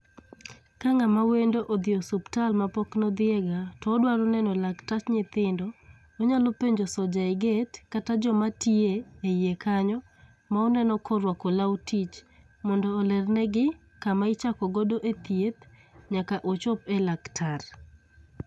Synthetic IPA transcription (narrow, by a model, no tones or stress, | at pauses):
kaŋamawendoʔod̪ɪɔsuptalmapɔknɔd̪ɪɛɡatɔːdwaɾɔnɛnɔlaktat͡ʃɲɪt̪ɪndɔ | oɲalɔpeɲd͡ʒosɔd͡ʒaɪɡetkatad͡ʒɔmatieejekʰaɲɔ | maɔnɛnɔkʰɔɾwakolawutit͡ʃ | mɔndɔːlɛrnɛɡɪ | kamaɪt͡ʃakɔɡodoʔet̪jet̪ | ɲakaʔot͡ʃɔpɛlaktʰar